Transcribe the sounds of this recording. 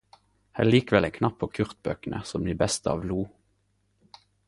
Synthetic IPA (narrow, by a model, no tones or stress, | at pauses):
hæ̰ːliːkʋɛlɛŋkʰnɑpʰːoːkʰʉʁt̪̚bø̰ːkənʔə̰sɔmd̪iːbɛst̪əɑ̰ːʋluː